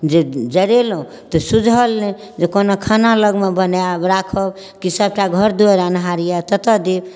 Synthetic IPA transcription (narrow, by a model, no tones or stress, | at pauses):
d͡ʒed͡ʒəɾelɦũ | t̪ɔsud͡ʒʱɦəlnɛ | d͡ʒekonokʰanaləɡmebənjabɾakʰəb | kisəb̚ʈaɡʱəɾd̪ueɾanɦaɾijat̪ət̪əd̪eb